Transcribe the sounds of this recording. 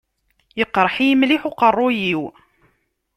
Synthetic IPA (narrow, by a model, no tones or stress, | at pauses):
jəqːɾˤħijəmliħuqərˤːʊjiw